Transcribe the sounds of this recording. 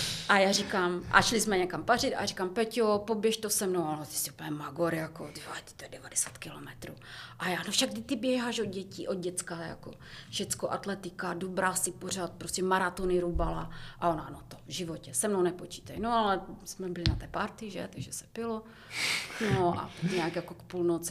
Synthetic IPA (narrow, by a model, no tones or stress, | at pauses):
ʔajaːrɪkaːmʔa̰ʃlɪsmɛɲɛkamparɪt̪a̰ɾikaːmpɛcjopobjɛʃt̪osɛmnowalɛt̪ɪ̥sɪupəɲɛmaɡoɾjakodivat̪ɪ̥t̪ojɛdɛvadɛsaːt̪kɪlomɛt̪ɾṵːʔajaːnofʃaɡɡdɪt̪ɪbjɛɦaːʃod̪ɟɛciːʔod̪̚ɟɛt͡skaja̰ko̰ | ʃɛt͡skoʔat̪lɛt̪ɪkadobɾaːsɪpor̝aːt̪̚pɾoscɛmaɾat̪onɪɾubalaʔaonanot̪ovʒɪvocɛsɛmnownɛpot͡ʃi̥ːt̪ajnoalɛsmɛbɪlɪnat̪ɛːpaɾt̪ɪʒɛ̰t̪aɡʒɛsɛ̥pɪlo | noa̰aɲɛakjakokpulnot͡sɪ